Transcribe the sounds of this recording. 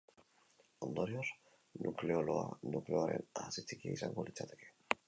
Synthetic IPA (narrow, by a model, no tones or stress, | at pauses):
ond̪oɾioɾ | nukleoloa̰nukleoɾḛnasit͡sikieisaŋɡolit͡sʰːat̪eke